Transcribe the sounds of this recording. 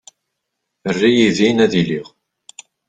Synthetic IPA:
ərːijiðinæðiliʁ

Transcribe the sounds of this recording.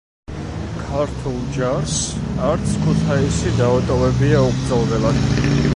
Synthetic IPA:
kʰaɾt̪ʰulˠd͡ʒaɾsaɾt̪sʰkʰut̪ʰaisid̪avɛt̪ʼɔvɛbiauɡɾd̪zalˠd̪ɛlad̪

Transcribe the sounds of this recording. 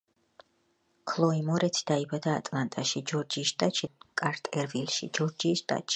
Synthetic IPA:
kʰlˠɔimɔɾɛt̪sʰi̥d̪̥aibad̪aːt̪ʼlˠant̪ʼaʃid͡ʒɔɾd͡ʒiːsʃt̪ʼat̪ʃikʼaɾt̪ʼɛɾvilʃḭd͡ʒɔɾd͡ʒiːsʃt̪ʼa̰t̪ʼʃi̥

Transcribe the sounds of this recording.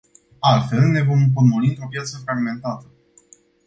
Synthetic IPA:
alt̪fe̞lne̞vo̞mponmoniopjat̪səfɾaɡme̞nt̪at̪ə

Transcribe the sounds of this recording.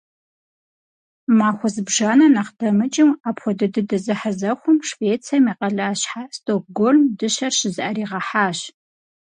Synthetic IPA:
maːxʷɔzɨbʒaːnɐnɐqdɐmɨt͡ʃʼɪmaːpʰxʷɔdɨdɨdɨzɨħazɐxʷʊmʂveːt͡sʰamiːqɐɮaːɕħastʰok̚ɡolmdɨɕɐɕɪzɨʔɐɾiːʁɐħaːɕ

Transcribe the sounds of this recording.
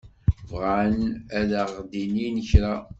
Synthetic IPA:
vʁanæðəʁd̪ininəçɾa

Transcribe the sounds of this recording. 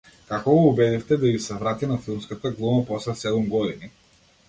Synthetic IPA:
kakɔɡɔːbɛd̪ɛft̪ɛd̪aɡisɛvɾat̪anafilˠmskat̪aɡlˠumapɔslɛsɛd̪umɡɔd̪ini

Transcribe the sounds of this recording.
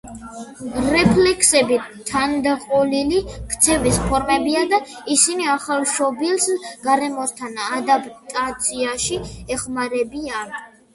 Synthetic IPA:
ɾɛpʰlɛkʰsɛbit̪ʰand̪aqʼɔlilikʰt̪sʰɛvispʰɔɾmɛbiad̪aisiniaχalˠʃɔbilˠsɡ̥aɾɛmɔst̪ʰanad̪apʰʼt̪ʼat̪sʰiaʃiɛχmaɾɛbian

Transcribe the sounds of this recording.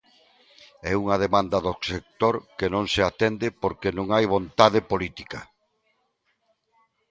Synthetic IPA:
ɛuŋɐðemãnd̪ɐðosek̚t̪oɾkenõŋseat̪end̪ɪpoɾkenõŋajβ̞õnt̪aðepolit̪ikɐ

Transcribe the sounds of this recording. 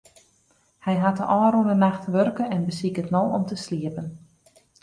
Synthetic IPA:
hɛjɦatəʔɔːɾunənaxtʋørkənɛnbəsikətnɔlˠɔ̰mtəsliəpən

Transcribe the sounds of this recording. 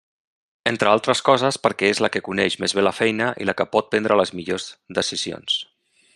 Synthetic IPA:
ent̪ɾəalˠt̪ɾəskɔzəspəɾkɛezləkəkunɛʒmezβ̞eləfɛjnəʔḭləkəpɔt̪̚pɛnd̪ɾələzmiʎozd̪əsizio̰ns

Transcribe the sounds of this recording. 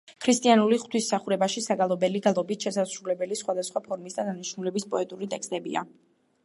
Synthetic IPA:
kʰɾist̪ʼianuliχt̪ʰwisːaχuɾɛbaʃisaɡalˠɔbɛliɡalˠɔbit̪ʃɛsasɾulɛbɛlisχwad̪asχwapʰɔɾmisd̪ad̪aniʃnulɛbispʼɔɛt̪ʼuɾit̪ʼɛkst̪ʼɛbḭa̰

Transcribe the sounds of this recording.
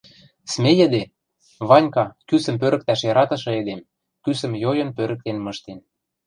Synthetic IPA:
smejə̆d̪e | βɑnʲkɑkysə̆mp̬øɾə̆k̚t̪æʃjɑɾɑt̪ɤ̆ʃɤ̆ĕd̪em | kysə̆mjojɤ̆npøɾə̆k̚t̪enmɤ̆ʃt̪en

